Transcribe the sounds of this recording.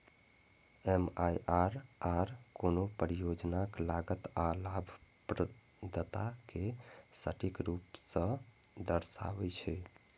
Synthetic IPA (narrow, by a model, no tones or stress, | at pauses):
emajʔaɾaɾkonopəɾijod͡ʒnaklaɡət̪alabʱpɾə | d̪ət̪akesəʈikɾupsə̃ | d̪əɾsa̰ʋɛt͡ʃʰɛ